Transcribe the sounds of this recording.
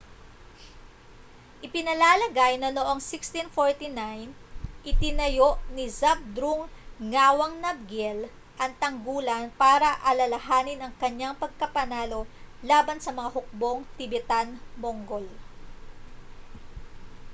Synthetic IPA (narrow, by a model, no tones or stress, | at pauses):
ʔɪpɪnɐlaːlɐɡajnɐnoʔo̞ŋsɪkst̪infoɹt̪inajnʔɪt̪ɪnɐjo̞ʔnɪzab̚d̪ɾuŋːaːwɐŋnɐb̚ɡɛl | ʔɐŋt̪ɐŋɡuːlɐnpaːɾɐʔɐlɐlɐɦaːnɪnɐŋkɐɲːaŋpɐɡ̚kɐpɐnaːlo̞laːbɐnsɐmɐŋaɦʊk̚bo̞ŋt̪ɪbɛt̪anmoŋɡol